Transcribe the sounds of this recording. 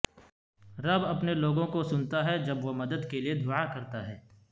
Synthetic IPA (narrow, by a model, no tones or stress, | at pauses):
ɾɐbɐpneloːɡõkosʊnt̪aɦɛd͡ʒɐbʋomɐd̪əd̪kelied̪ʱʊakɐɾt̪aɦɛː